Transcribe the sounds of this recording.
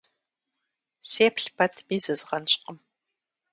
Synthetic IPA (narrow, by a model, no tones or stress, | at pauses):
seːpɬpʰɐtʰmiːzɨzʁɐnɕʼqəm